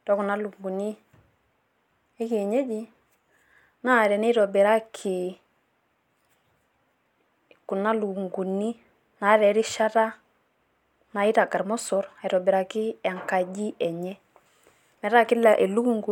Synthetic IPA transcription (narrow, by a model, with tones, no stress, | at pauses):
tɔ˦ku˨na˦lu˨ŋɡu˨ni˦ | e˦ki˨ɛ˨ɲɛ˦d͡ʒi˦ | na˦˨ɾɛ˨ne˦ɾɔ˨bɛ˨ɾa˦kʰi˨ | ku˨na˦lu˨u˨ŋɡu˨ni˦ | na˨˦ɾɛ˨˦ɾi˦ʃa˦ta˦ | na˨i˦ta˨ɡa˨ɾmɔ˦sɔ˨ɾa˨i˨ɾɔ˨bɛ˨ɾa˨kɪ˦ɛ˨ŋka˨d͡ʒi˦ɛ˨ɲɛ˦ | mɛ˨ɾa˦kɪ˦la˨ʔe˨lu˦ku˦˨ŋɡu˨˦